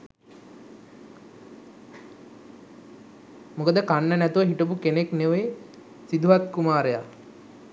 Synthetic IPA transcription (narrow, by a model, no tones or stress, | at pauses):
mukəd̪əkanːənæt̪uʋəɦiʈəp̬ukenekneʋe | sid̪uʋat̪̚kumaːɾəja̰